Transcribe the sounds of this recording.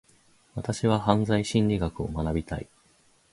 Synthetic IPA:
βat̪aɕiβahãnzaiɕĩɲɾʲiɡakɯ̟omanabʲit̪a̰ḭ

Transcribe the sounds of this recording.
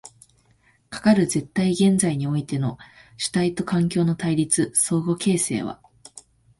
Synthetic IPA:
kḁkaɾɯ̟ze̞t̪ːaiɡẽ̞nd͡zaiɲ̟io̞it̪e̞no̞ɕi̥t̪ait̪o̞kãŋkʲo̞ːno̞t̪aiɾʲit͡sɨso̞ːɡo̞ke̞ːse̞̰ːβ̞a̰

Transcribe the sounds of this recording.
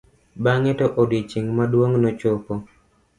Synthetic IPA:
baŋɛtoʔodit͡ʃiŋmadwoŋnot͡ʃopo

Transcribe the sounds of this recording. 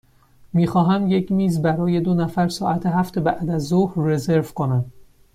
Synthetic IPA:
miːxɒːɦæmje̞cʰmiːzbæɾɒːje̞d̪onæfæɾsɒːʔæt̪ʰe̞ɦæft̪ʰebæʔd̪æzːohɾːe̞ze̞ɾvkʰo̞næm

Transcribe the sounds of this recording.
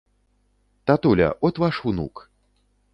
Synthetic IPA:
t̪at̪ulʲɐ̰ʔɔt̪vaʂunṵk

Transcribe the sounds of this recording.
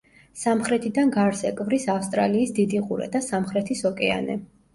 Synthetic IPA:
samχɾɛt̪ʰid̪anɡaɾsɛkʼvɾisafst̪ʼɾa̰liːsd̪id̪iqʼṵɾɛ̰d̪asamχɾɛt̪ʰisɔkʼɛa̰nɛ̰

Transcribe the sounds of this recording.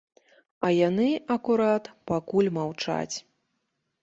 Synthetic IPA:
ɐjanɨɐkuɾat̪pakulʲmawt͡ʂa̰t͡sʲ

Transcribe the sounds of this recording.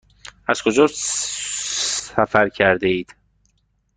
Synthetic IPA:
æz̥kʰod͡ʒɒː | sæfæɾcʰæɾd̪eiːd̪̥

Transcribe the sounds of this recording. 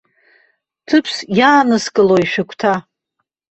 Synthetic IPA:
tʰɨpʰsjaːnɨskʼɨloiʃᶣɪkʷʰʼtʰa

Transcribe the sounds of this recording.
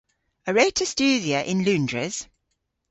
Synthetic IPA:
əɹeɪtʰə̥st͡ʃʉːðiəʔɪ̃nlʉ̃ːndɹɪ̰z̥

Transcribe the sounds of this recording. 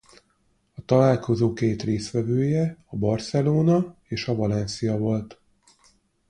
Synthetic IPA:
ɒt̪ɒlaːlko̞zoːkeːt̪reːsʋɛvøːjɛɒbɒrsɛloːnɒeːʃɒvɒlɛnsijɒvo̞lt̪

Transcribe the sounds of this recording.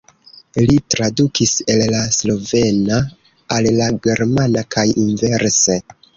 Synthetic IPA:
litɾadukʰise̞llaslo̞ve̞naː | llaɡe̞ɾmanakajinve̞ɾse

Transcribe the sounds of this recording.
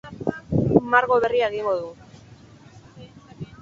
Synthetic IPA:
maɾɣo̞βe̞riaeɣiŋɡoðu

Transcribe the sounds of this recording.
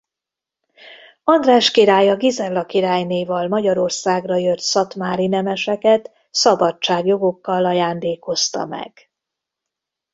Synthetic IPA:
ɒnd̪raːʃkiɾaːjɒɡizɛrlːɒkiɾaːjneːvɒlmɒɟɒɾo̞rsaːɡrɒjøt̪sɒt̪maːɾinɛmɛʃɛkɛt̪ | sɒbɒt͡ʃːaːɡjo̞ɡo̞kːɒlɒjaːnd̪eːko̞st̪ɒ̰mɛ̰ɡ̥

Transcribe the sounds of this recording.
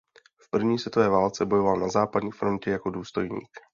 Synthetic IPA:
fpr̩vɲiːsvjɛt̪ovɛːvaːlt͡sɛbo̞jo̞valnazaːpadɲiːfɾo̞ncɛjako̞duːst̪o̞jɲḭːk

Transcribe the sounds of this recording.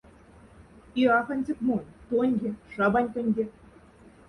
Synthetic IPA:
iɑxɑ̆nʲd͡ʑɘ̆kmonʲt̪onʲɡʲĕʂɑbɑnʲk̪ɘ̆nʲɡʲĕ

